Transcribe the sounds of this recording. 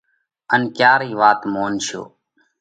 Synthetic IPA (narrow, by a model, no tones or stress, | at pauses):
ənkjaːɾiːʋaːt̪moːnʃo̰ː